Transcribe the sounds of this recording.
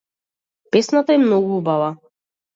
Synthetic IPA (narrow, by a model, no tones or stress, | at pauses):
pɛsnat̪aɛmnɔɡuubava